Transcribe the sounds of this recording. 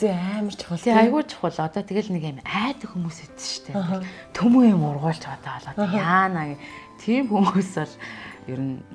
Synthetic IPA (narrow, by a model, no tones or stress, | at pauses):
teæːmə̆r̥t͡ɕʰḁχəɬt̪ʰeːajɣʊːt͡ɕʰʊ̥χʊ̆ɮɔt̪ɔːt̪ʰeɣĕɮnekemæːt̪ə̆xumuːset͡s̪ɘ̥̆ʃt̪ʰeːɦ | t̪ʰɵmŭŋjʊmʊrʁʊːɬt͡ɕɔt̪aːɔɮɔ̆ːt̪aːnaːɣit̪ʰiːmxumuːsɔɮjɵɾɘ̆n